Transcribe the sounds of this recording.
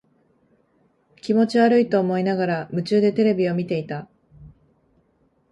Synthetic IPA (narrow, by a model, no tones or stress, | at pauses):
kʲimo̞t͡ɕiβaɾɯ̟it̪o̞ːmo̞inaɣaɾamɯ̟t͡ɕɨːd̪e̞t̪e̞ɾe̞bʲio̞mʲit̪e̞it̪a